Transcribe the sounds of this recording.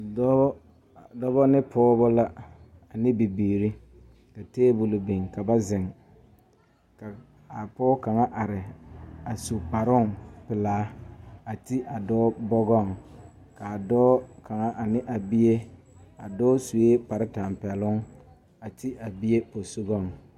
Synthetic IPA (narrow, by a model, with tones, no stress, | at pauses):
dɔ˦bɔ˦nɪ˦pʰɔː˦bɔ˦la˦ | a˨nɪ˦bi˨biː˨ɾi˦ | ka˨teː˦bʊ˨lo˨bi˨ŋka˨ba˦zɪ˨ŋ | ka˨ | a˨pɔː˦ka˨ŋa˦ʔa˨ɾɪ˨a˨su˨k͡pa˨ɾʊ˦ŋpɪ˨laː˨˦a˨ti˦ʔa˨dɔː˦bɔ˦ɡɔ˦˨ŋ | ka˨a˨dɔː˦kʰa˨ŋa˦ʔa˨nɪ˦ʔa˨bi˦je˦ | a˨dɔː˦su˨e˦pa˨ɾɪ˦ta˨mpɛ˨lʊ˦ŋ | a˨tʰi˦ʔa˨bi˦je˦po˨su˦ɡɔ˦˨ŋ